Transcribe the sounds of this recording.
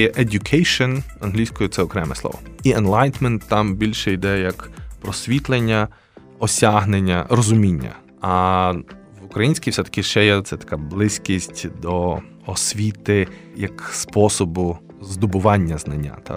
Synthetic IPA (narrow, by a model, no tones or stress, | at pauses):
jɛʔedʲʊkʰejʃɔnɐnɦlʲijsʲkɔjʊt̪sɛɔkɾɛmɛ̰slˠɔ̰ʋɔ̰iɛnlˠɑjt̪mɛnt̪ːɑmbʲilʲʃɛid̪ɛjɐjɐkpɾɔsʲʋʲit̪lˠenʲːɐ | ɔsʲaɦnenʲːɐɾɔzʊmʲinʲːɐ̰ | ɐ | ʋʊkɾɐjinʲsʲkʲijwsʲɛt̪ɐ̥kʲɪʃt͡ʃɛjɛt̪sɛt̪ɐ̥kɑblˠɪsʲkʲisʲtʲd̪ɔ | ɔsʲʋʲit̪ɪ | jɐkspɔsɔbʊ | zd̪ʊbʊʋɑnʲːɐznɐnʲːa̰t̪ɑ̰